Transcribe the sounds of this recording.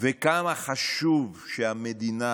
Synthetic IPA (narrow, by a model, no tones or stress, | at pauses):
vekamaχaʃuvʃeamed̪ina